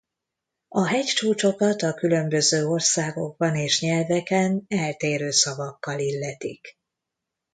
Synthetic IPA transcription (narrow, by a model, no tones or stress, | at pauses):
ɒɦɛct͡ʃuːt͡ʃo̞kɒt̪ɒkylø̞mbø̞zøːo̞rsaːɡo̞̰ɡ̚bɒneːʃɲɛlvɛkɛnɛlt̪eːɾøːsɒvɒkːɒlilːɛt̪ik